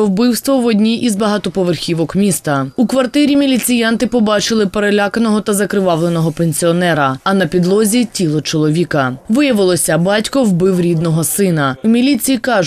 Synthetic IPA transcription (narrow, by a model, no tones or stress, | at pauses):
ɔwbɪwst̪ʋɔʋɔdʲnʲiʔizbɐɦɑt̪ɔpɔʋerxʲiʋɔkmʲist̪ɐukʋɐrt̪ɪɾʲimʲilʲit͡sʲijɑnt̪ɪpɔbɑt͡ʃɪlˠɪpeɾelʲakɐnɔɦɔt̪ɐzɐkɾɪʋɑʋlˠenɔɦɔpenʲsʲiɔnɛɾɐɐnɐpʲid̪lˠɔzʲitʲilˠɔt͡ʃɔlˠɔʋʲikɐʋɪjɐʋɪlˠɔsʲɐbɑtʲkɔwbɪwɾʲid̪nɔɦɔsɪnɐwmʲilʲit͡sʲijikɑʒ